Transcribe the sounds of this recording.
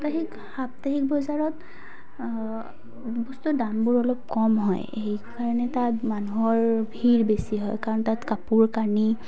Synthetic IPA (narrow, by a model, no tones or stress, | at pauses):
taɦik | hap̚taɦik̚bɔzaɹɔt | bɔstudambuɹɔlɔp̚kɔmɦɔ̰j | ejkaɹɔnɛtatmanuɦɔɹbʱiɹbesiɦɔjkaɹɔntatkapuɹkaɹni